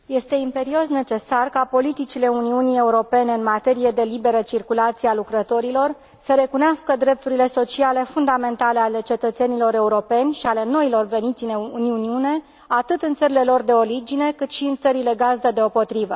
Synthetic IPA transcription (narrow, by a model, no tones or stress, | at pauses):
je̞st̪e̞impe̞ɾio̞sne̞t͡ʃe̞sarkapo̞lit̪it͡ʃile̞uniunie̞uɾo̞pe̞ne̞ɨnmat̪e̞ɾije̞d̪e̞libe̞ɾət͡ʃirkulat̪siealukɾət̪o̞ɾilo̞r | səɾe̞kuneaskəd̪ɾe̞p̚t̪uɾile̞so̞t͡ʃiale̞fund̪ame̞nt̪ale̞ale̞t͡ʃe̞t̪ət̪se̞nilo̞ɾe̞uɾo̞pe̞nʲʃiale̞no̞ilo̞rve̞nit̪sineuniuniune̞ | at̪ɨt̪ɨnt̪səɾile̞lo̞rd̪e̞o̞ɾid͡ʒine̞kɨt̪ʃiɨnt̪səɾile̞ɡazd̪əd̪e̞o̞po̞t̪ɾivə